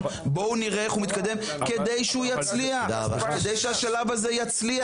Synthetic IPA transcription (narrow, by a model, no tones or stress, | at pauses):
bo̞uniʁeeχhumit̪̚kad̪e̞m | ke̞d̪ejʃeujat͡sliaχked̪ejʃeaʃalavazejat͡slia